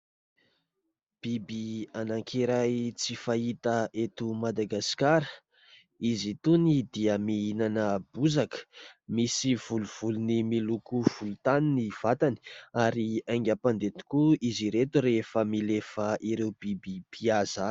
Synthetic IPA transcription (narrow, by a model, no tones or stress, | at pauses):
b̥ibianaŋkʰieɾajt͡sifait̪əet̪umad̪aɡasi̥kaɾə | izit̪unid̪iəmiinanəb̥uzakə̥misiv̥uluv̥ulunimilukuv̥ulut̪aniniv̥at̪ani̥aɾiajŋɡʲapand̪et̪i̥kuiziɾet̪uɾefəmilefəʔiɾewb̥ibipʰiaza